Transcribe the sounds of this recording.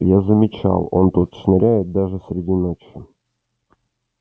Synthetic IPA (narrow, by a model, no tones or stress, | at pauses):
jazəmʲɪt͡ɕa̰lˠo̞̰nt̪ut̪sʲnɐɾʲæjɪt̪̚d̪aʐɨsʲɾʲɪdʲinot͡ɕɪ